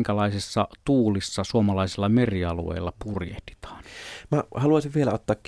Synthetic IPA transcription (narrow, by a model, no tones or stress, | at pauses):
ŋkælɑˑesesːɑ̰t̪uːlisːɑsuomɑlɑˑisilːɑmeriɑlṵḛˑilːɑpurjḛht̪i̥t̪ɑ̥ːnmæhɑluɑˑsiʋʋielæot̪ːɑːkk